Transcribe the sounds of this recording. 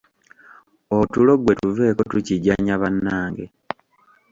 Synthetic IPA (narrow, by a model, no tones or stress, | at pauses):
otulo̞ɡwe̞tuve̞ːko̞tuciɟaɲaβanːaːŋɡe̞̰